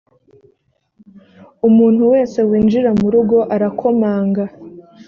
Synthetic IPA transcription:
umuːn̥huwe̞ːse̞wiːnd͡ʒiɾamuɾuɡo̞ʔaɾakʰo̞maːŋɡa

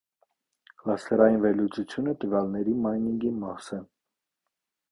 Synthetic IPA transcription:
klɑst̪ʰɛɾɑjinvɛɾlut͡sut͡sʰjunət̪əvjɑlnɛɾimɑjniŋɡimɑsɛ

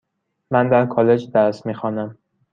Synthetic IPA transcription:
mænd̪æɾkʰɒːle̞d͡ʒd̪æɾsmiːxɒːnæm

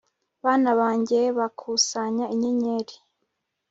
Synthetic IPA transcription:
βaːnaβaːɲɟeβakʰuːsaɲaiɲeɲeːɾi

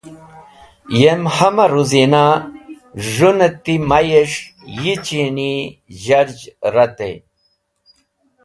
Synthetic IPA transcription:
jemhɐmɐɾuzina | ʐunet̪imɐjeʂjit͡ɕiniʑɐɾd͡ʑɾɐt̪ḛj

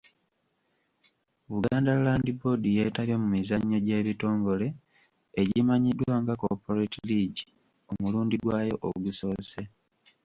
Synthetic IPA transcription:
βuɡaːndalaːndibo̞dije̞ːtaljo̞mumizaɲːo̞ɟe̞ːβito̞ːŋɡo̞le̞ | eɟimaɲidwaːŋɡakopoɾetiliːɟi | o̞muluːndiɡwaːjo̞̰ʔoɡuso̞ːse̞

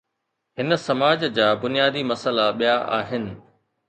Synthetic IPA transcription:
ɦɪnə̆sɐmaːd͡ʑd͡ʑaːbʊnijaːd̪imɐsəlaɓijaʔa̰ːɦɪnɪ̆

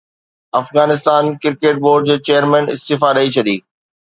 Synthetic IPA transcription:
ɐfɣaːnɪs̬t̪aːnkɪɾkeːʈ̚boːɾɖ̚d͡ʑeːt͡ɕejəɾmɛ̃ːnɪ̰st̪ɪfaɾɐit͡ɕʰɐɗiː

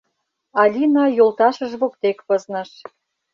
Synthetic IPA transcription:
ɑlʲinɑjolt̪ɑʃəʒβokt̪ekβɤznɤ̆ʃ

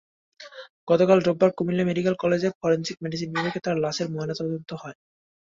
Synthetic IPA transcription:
ɡ̥ɔt̪okalɖobːaɾkumilemeɖikelkɔled͡ʑeɾfʰɔɾensik̚meɖis̬inːiɾeket̪aɾlaʃeɾmɔenat̪ɔd̪ont̪oɦɔe

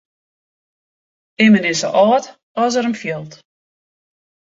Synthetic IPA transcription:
ɪmənɪsə̰ʔɔːt | ɔs̬əɾəmfjɪlˠt

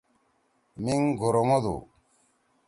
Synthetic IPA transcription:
miŋɡʱoɾomod̪ṵ

